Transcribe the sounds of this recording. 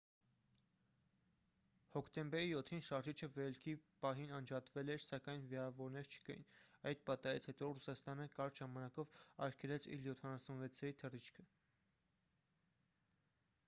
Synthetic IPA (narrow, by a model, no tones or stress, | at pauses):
hɔkʰt̪ɛmbɛɾijɔt̪ʰːinʃɑɾʒit͡ʃʰəvɛlkʰipɑɦinɑnd͡ʒɑt̪vɛlɛɾsɑkɑjnviɑvɔɾnɛɾt͡ʃʰə̥kɑjḭnɑjd̪̚pɑt̪ɑjit͡sʰhɛt̪ɔrusɑst̪ɑnəkɑɾʒɑmɑnɑkɔvɑ̰ɾkʰɛlɛt͡sʰḭljɔt̪ʰɑnɑsunvɛt͡sʰɛɾit̪ʰərit͡ʃʰkʰə